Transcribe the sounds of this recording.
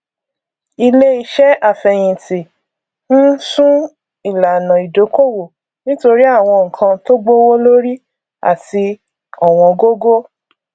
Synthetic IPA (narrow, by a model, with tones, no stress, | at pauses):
i˧le˦i˧ʃɛ˦a˦˨fɛ˨j̃ĩ˨ti˨ | n̩˦sũ˦ | i˨la˨nã˨i˨do˨˦ko˦˨wo˨ | nĩ˦to˧ɾi˦a˦˨w̃ɔ̃˧ŋ̩˨kʰã˧to˦ɡ͡bo˦wo˦lo˦ɾi˦ | a̰˦˨ti˧ | ɔ˨w̃ɔ̃˧ɡo˦ɡo˦